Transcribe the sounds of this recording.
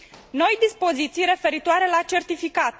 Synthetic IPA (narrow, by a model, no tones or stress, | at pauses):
no̞jd̪ispo̞zit̪sijɾe̞fe̞ɾit̪oaɾe̞lat͡ʃe̞rt̪ifikat̪